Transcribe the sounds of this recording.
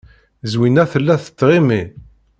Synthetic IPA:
zwinæθəlːæθə̥t͡sːʁimi

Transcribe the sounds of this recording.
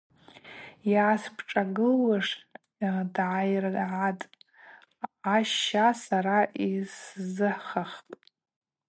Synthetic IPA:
jaːspʰʈ͡ʂʼaɡɨlwaʂ | dʕajrʕatʼ | aʃasaɾaʔiszɨħχaχpʼ

